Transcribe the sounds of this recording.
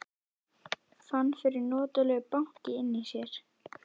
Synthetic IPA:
fanːfɪɾɪɾnɔːt̪ʏlɛːɣʏpaŋ̥cɪɪnːɪsjɛɾ̥

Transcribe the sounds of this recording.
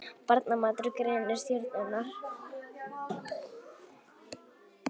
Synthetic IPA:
paɾt̪namaːt̪ɾʏkɾennɪɾsjœɾt̪nɪnːaɾ̥

